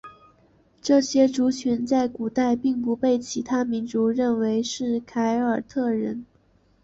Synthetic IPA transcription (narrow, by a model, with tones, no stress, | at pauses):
ʈ͡ʂɤ˥˩ɕjɛ˥ʈ͡ʂu˧˥t͡ɕʰy˧˥nt͡sa˥˩ɪku˨˩t̪a˥˧ɪpi˥˩ŋpu˧˥pe˥˩ɪt͡ɕʰi˧˥t̪ʰa˥mi˧˥nʈ͡ʂu˧˥ɻə˥˩nwe˧˥ɪʂɻ̩˥˩kʰa˧˥ɪə˞˨˩t̪ʰɤ˥˩ɻə˧˥n